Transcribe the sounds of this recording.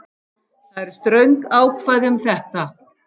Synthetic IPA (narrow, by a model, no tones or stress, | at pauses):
θaðɛɾ̥st̪ɾœɥŋkaːwkʰvaːjðɪʏmθɛht̪a